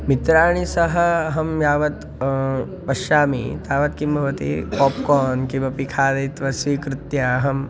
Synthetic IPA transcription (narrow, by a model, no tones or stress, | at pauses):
mit̪ɾaːɳ̃isɐɦɐɐɦɐmjaːʋɐt̪ | pɐʃaːmḭt̪aːʋɐt̪̚kimbʱɐʋɐt̪ḭpɔːp̚koːnkibʱɐpikʰaːd̪ɐt̪ʋɐsʋiːkɾɪt̪jɐɐɦɐm